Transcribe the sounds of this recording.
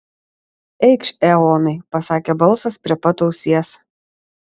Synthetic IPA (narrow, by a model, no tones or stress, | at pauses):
ɛɪkʃʲɛɔːnɐɪpɐsɑːkʲebɐlˠˑsɐspʲɾʲiɛpɐt̪oʊsʲiɛs